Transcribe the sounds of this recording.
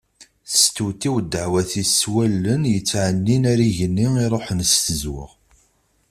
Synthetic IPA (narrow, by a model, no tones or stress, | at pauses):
θə̥st̪uwt̪ːiwd̪əʕwæθiswælːənjət͡sːʕənːinæɾiʝənːiiɾˤoħnst̪əzwə̰ʁ